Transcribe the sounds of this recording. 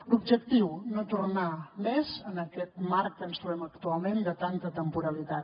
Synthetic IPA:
lub̚ʒək̚t̪iwnot̪urnamɛzənəkɛt̪mark̚k̪ənsuɛməkt̪ualˠmẽnd̪ət̪ant̪ət̪əmpuɾəlit̪at̪

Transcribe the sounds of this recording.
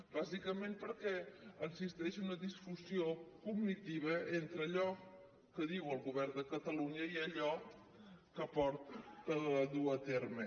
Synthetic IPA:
b̥azikəmenpəɾkɛənsist̪ɛʃunəðisfuziokuɡnit̪iβəent̪ɾəːʎɔ | kəðiwəlˠɣuβɛrd̪əkət̪əluɲəiəʎɔ | kəpɔɾt̪əððuət̪eɾmə

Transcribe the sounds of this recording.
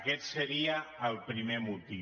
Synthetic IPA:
kɛt̪səɾiaːlˠpɾimemut̪i

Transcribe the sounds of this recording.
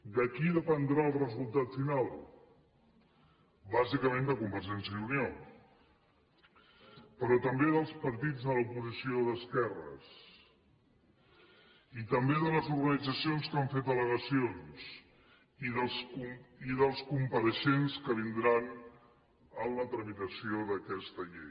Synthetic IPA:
d̪əkiðəpənd̪ɾaəlˠrəzulˠt̪at̪finalˠ | bazikəmẽnd̪əkumbəɾʒɛnsjəðunio | pəɾɔt̪əmbeðəlˠspəɾt̪id͡zðələupuzisioðəskɛrə̰s | it̪əmbeðələzuɾɣənid͡zəsionskaɱfet̪ələɣəsions | iðəsuiðəlˠskumpəɾəʃenskəβ̞ind̪ɾan | ənlət̪ɾəmit̪əsioðəkɛst̪əʎḛj

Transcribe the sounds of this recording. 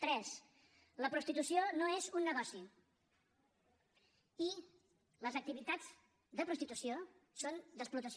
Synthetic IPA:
t̪ɾɛs | ləpɾust̪it̪usionoezunːəɣɔsi | i | ləzək̚t̪iβit̪ad͡z | d̪əpɾust̪it̪usiosond̪əsplut̪əs

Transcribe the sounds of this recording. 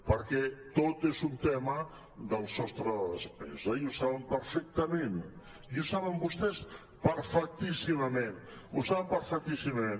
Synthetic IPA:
pəɾkɛt̪ot̪ezunt̪ɛmə | d̪əlˠsɔst̪ɾəðəspɛ̰zəiusaβəmpəɾfɛk̚t̪əmen | iusaβəmbust̪ɛs | pəɾfək̚t̪isiməmẽn | usaβəmpəɾfək̚t̪isiməmẽn

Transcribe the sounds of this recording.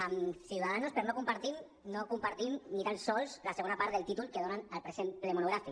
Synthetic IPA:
əmsiwt̪aðanuspəɾnokumpaɾt̪in | nokumpaɾt̪inːik̪ansɔlˠzlaseɣonapaɾðelˠt̪it̪ulˠkeðonanəlpɾesenplemunuɣɾafik

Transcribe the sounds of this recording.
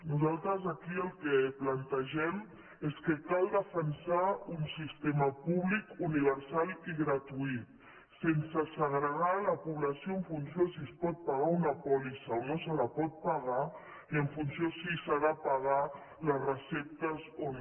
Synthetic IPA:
nuzalˠt̪ɾəzakiəlˠkɛplant̪əʒɛm | eskəkalˠd̪əfənsaunsist̪eməpuβlikuniβ̞əɾsaliɣɾət̪uit̪ | sensəsəɣɾəɣaləpuβləsioəɱfunsiosiəspɔt̪̚paɣaunəpɔlisaonosələpɔt̪̚paɣ̞a | iəɱfunsiosisaðapaɣ̞a | ləzrəsɛp̚t̪əzo

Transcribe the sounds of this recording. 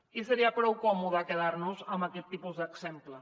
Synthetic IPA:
isəɾiapɾɔwkɔmuðaːkəð̞aɾnuzəmbakɛt̪ːipuzd̪əksɛmplə

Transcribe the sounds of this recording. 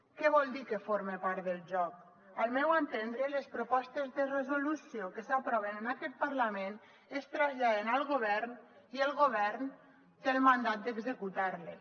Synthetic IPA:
kɛβɔlˠd̪ikefoɾmepaɾt̪ðəlˠʒɔk̚ | əlˠmɛwant̪end̪ɾelespɾopɔst̪ezðərəzulusiokəsapɾɔβenənakɛt̪̚pəɾlamen | est̪ɾazʎaðenəlˠɣoβɛɾn | iəlˠɣoβɛɾn | t̪elmand̪at̪̚d̪əɡzekut̪aɾle

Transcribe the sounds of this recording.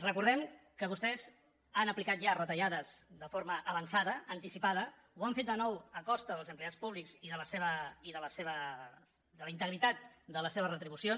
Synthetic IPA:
rəkuɾðɛmkəβust̪ɛz | anəplikat̪̚ʒarət̪əʎaðəzðəfoɾməʔəβənsaðəːnt̪isipað̞ə | uaɱfet̪̚d̪ənɔwəkɔst̪əðəlˠzəmpleat͡spuβlikziðələseβəiðələseβə | d̪ələint̪əɣɾit̪at̪̚d̪ələseβərət̪ɾiβusion

